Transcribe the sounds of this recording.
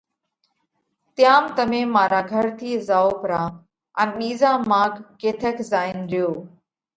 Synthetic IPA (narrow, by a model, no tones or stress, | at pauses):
t̪jaːmt̪əmẽːmaːɾaːɡʱəɾt̪ʰiːzaːoːpɾãː | ənɓiːzãːmaːɡːeːt̪ʰəkʰzaːɪnɾɪjoː